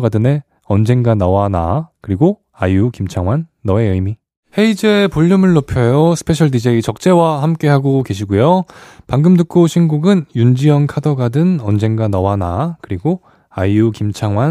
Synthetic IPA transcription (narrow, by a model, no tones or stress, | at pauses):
ɡadɯne̞ | ʌnd͡ʑe̞ŋɡanawanakɯɾiɡo | ajukimt͡ɕʰaŋwanːʌe̞ɯjmi | he̞id͡ʑe̞puʎːɯmɯɭːopʰjʌjosʰɯ̥pʰe̞ɕʰʌɭdid͡ʑeit͡ɕʌk̚t͡ɕ͈e̞wahamk͈e̞ɦaɡoke̞ɕʰiɡujopaŋɡɯmdɯk͈ʰoɕʰinɡuɡɯnjund͡ʑiʌnkʰadʌɡadɯnʌnd͡ʑe̞ŋɡanawanakɯɾiɡo | ajukimt͡ɕʰaŋwa